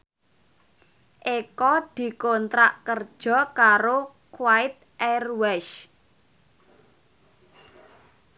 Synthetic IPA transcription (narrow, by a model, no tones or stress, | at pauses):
ʔekɔd̪̥i̤kont̪ɾaʔkərd̥ʒ̥ɔ̤kaɾo | kwaɪt̪̚ʔɛrwɛʃ